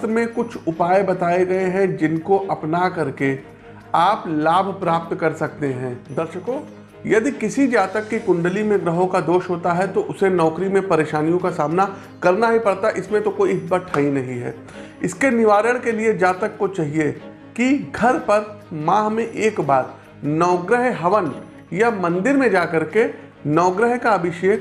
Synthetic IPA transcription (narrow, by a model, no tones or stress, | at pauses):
t̪ɾəmẽkʊt͡ʃʰʊpaːebɐt̪aːeɡɐeɦɛ̃d͡ʒɪnkoʔɐpnakɐɾke | aːplaːbʱpɾaːp̚t̪kɐɾsɐk̚t̪eɦɛ̃ːd̪ɐɾʃəkõː | jɐd̪ikɪsid͡ʒaːt̪əkːikʊ̃ɳɖəlimẽɡɾəɦõkad̪oːʃɦoːt̪aɦɛt̪oʔʊsenɔːkɾimẽpɐɾeːʃaːnijõkasaːmna | kɐɾnaɦipɐɽt̪aʔɪsmẽt̪okoːibɐʈʰaːɦinɐɦĩɦɛ̰ː | ɪskenɪʋaːɾəɽ̃kelied͡ʒaːt̪əkːot͡ʃaːɦie | kiɡʱɐɾpɐɾmãːɦmẽʔeːkbaːɾ | nɔːɡɾəɦɦɐʋən | jamɐ̃nd̪ɪɾmẽd͡ʒaːkɐɾke | nɔːɡɾəɦkaɐbʱɪʃeːk